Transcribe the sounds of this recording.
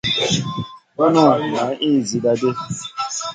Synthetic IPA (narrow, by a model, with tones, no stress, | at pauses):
ma˦nʊ˦a˨na˨˦ʔiː˦˨zi˨da˨de˦